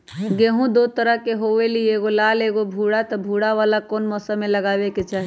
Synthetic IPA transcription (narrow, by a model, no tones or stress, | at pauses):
ɡeɦũd̪ot̪əɾəɦkeɦoʋelieɡolaleɡobʱuɽat̪ɔbʱuɽaʋalakonmɔsəmeləɡabeket͡ʃaɦi